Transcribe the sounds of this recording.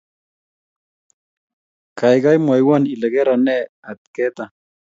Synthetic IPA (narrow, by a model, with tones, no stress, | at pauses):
ka˨jɡa˦jmwa˨jwa˦ni˨le˨ɣe˦ɾa˨nɛ˦ | a˨t̪̚ke˦t̪a˨